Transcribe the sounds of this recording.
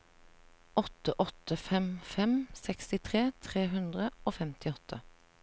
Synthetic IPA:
ɔt̪əʔɔt̪əfɛmfɛmsɛkst̪ɪt̪ʰʁeːt̪ʰʁeːɦʉnd̪ʁəoːfɛmt̪ʰɪɔt̪ʰə

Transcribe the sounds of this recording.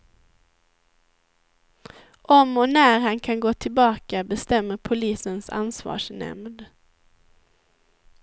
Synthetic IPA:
ʔɔmɔnæːɾhankʰanɡoːt̪ʰɪlbɑːkabɛst̪ɛmːəɾpʰʊliːsənsa̰nsvɑ̰ːʂnɛ̰md̪

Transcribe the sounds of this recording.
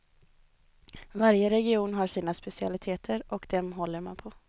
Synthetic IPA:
vaɾjəɾɛɡɪuːnɦaʂiːnaspɛsɪa̰lɪt̪ʰeːt̪ʰəɾʔɔkd̪̥ɛmɦɔlːəɾma̰npʰɔ

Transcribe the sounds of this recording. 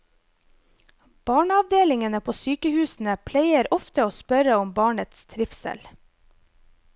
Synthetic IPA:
b̥ɑːɳɑʋd̪eːlɪŋənəpʰoːsyːkəhʉːsn̩əpʰlæɪəɾɔft̪əoːspœɾəɔmbɑːɳət̪st̪ʰɾɪfsə̰l

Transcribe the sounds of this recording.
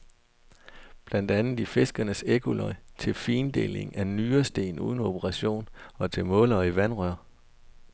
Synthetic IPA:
b̥lænd̥ænð̩ˠife̝sɡ̥ɐnəseɡ̥ulɒɪt͡sʰe̝lfiːnd̥e̝̰le̝ŋʔænyːɐsd̥e̝̰ːnṵːðˠn̩o̝b̥ʰəʁɑ̈ɕo̝̰ːnɒ̽t͡sʰe̝lmɔ̽lɐːiʋænʁœɐ̰

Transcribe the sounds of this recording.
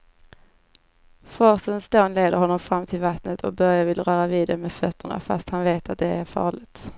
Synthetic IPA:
fɔsənsd̪oːnleːd̪əɾhɔnːɔmfɾamːt̪ʰɪlvat̪nət̪ʰɔ̰k̚bœɾjavɪlɾœːɾaviːd̪ɛmɛfœt̪ʰːəɳa̰fa̰st̪hanveːt̪at̪̚d̪ɛæɾfɑ̰ːɭɪɡt̪

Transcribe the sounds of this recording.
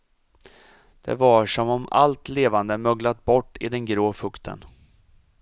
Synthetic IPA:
d̪̥ɛ̰vaʂɔmɔma̰lt̪leːvand̪əmœɡlat̪̚bɔʈːɪ̰d̪ɛnɡɾoːfɵkt̪ʰə̰n

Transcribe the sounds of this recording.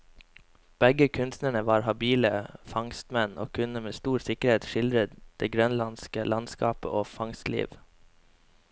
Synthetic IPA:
b̥ɛɡəkʰʉnst̪nəɳəʋɑːɾhɑbiːləfɑŋst̪mɛno̰ːkʰʉnəmeːst̪uːɾsɪkəɾheːt̪ʃɪld̪ɾət̪d̪̥eːɡɾœnlɑnskəlʔɑnskɑ̰ːpə̰ʔoːfɑŋst̪lḭːʋ

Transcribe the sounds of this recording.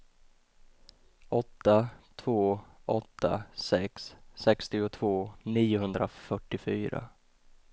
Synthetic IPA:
ʔɔt̪ːat̪ʰvoːʔɔt̪ːa̰sɛksːɛkst̪ɪʊt̪ʰvoːniːʊhɵnd̪ɾafœʈːɪfyːɾa̰

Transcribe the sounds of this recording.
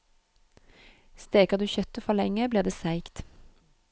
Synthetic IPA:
st̪eːkəʁd̪ʉːçœt̪əfɔʁlɛŋəbliːʁd̪eːsæɪkt̪

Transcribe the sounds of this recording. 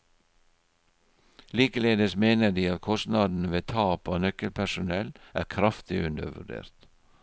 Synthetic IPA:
liːkəleːd̪əsmeːnədiːɑt̪̚kʰɔst̪nɑd̪n̩ʋeːt̪ʰɑːpoːnœkəlpʰæʃʊnɛlʔæ̰ːɾkʰɾɑft̪ɪʔʉnd̪ə̰ɾʋʉ̰ɖḛːɾt̪

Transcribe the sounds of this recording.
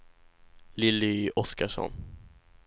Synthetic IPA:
lɪliʔɔskaʂɔ̰n

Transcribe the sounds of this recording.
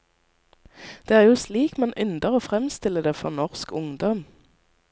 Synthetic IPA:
d̪̥eːæːʁjuːsliːkmɑnʔʏnd̪əʁoːfʁɛmst̪ɪləd̪eːfɔ̰ːnɔʁskʊŋd̪ɔm

